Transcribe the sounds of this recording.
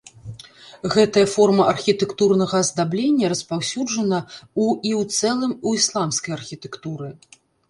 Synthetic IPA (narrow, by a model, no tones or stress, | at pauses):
ɣɛt̪ɐjɐfɔrmɐʔɐrxʲit̪ɛkt̪urnɐɣɐzd̪ablʲenʲːɐɾɐspawsʲud͡ʐɐnɐuiwt̪sɛlˠɨmuislˠamskɐjɐrxʲit̪ɛkt̪uɾɨ